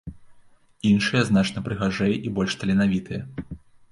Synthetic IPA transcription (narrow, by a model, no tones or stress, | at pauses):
inʂɨjɐznat͡ʂnɐpɾɨɣaʐɛjʔibɔlʲʂt̪ɐlʲinavʲit̪ʰɨjɐ